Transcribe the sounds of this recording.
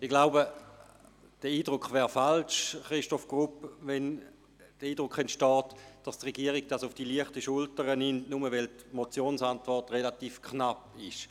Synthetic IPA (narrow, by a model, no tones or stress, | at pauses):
ɪɡ̥laʊbə | d̥əiːdʁʊkχvɛːɐfalʃχʁiʃtɔfɡ̥ʁupvɛn | d̥əiːd̥ʁʊkχɛntʃtɔːtd̥astʁeɡiəʁiɡ̚d̥asʊfd̥iliəχtəʃʊltəʁənɪntnuməvɛltmot͡sjoːnsantvɔʁtʁelatiːfkχnapɪʃ